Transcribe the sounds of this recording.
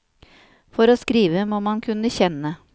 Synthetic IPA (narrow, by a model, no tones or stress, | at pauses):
fɔɾoːskɾiːʋəmoːmɑnkʰʉnəçɛnə